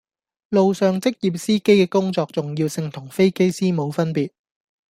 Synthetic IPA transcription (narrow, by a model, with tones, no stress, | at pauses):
lo˨wsœː˨ŋt͡sɪ˥k̚jiː˨˩p̚siː˥ke˥jkɛː˧kʊ˥ŋt͡sɔː˧k̚t͡sʊ˨ŋji˧wsɪ˧ŋt̪ʰʊ˨˩ŋfe˥jke˥jsiː˥mo˨˧wfɐ˥npiː˨t̚